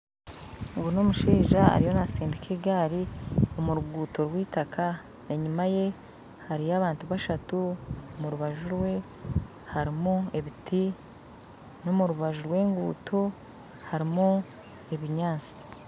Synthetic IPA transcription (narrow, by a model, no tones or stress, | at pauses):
ŋɡuno̞muʃiːʒaa̰ɾijo̞nasiːndikʰeɡaːɾio̞muɾuɡuːto̞ɾwiːtakʰa | eɲumaje̞ | haɾiaβaːntuβaʃatumuɾuβaʒuɾwe̞ | haɾimue̞βiti | no̞muɾuβaʒuɾwe̞ːŋɡṵːtʰo | haɾimu | e̞βiɲaːt͡si̥